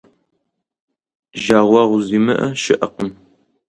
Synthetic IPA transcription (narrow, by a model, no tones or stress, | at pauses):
ʒaːʁʷɑːʁʷʊziːmɨʔɐʃɪʔɐqəm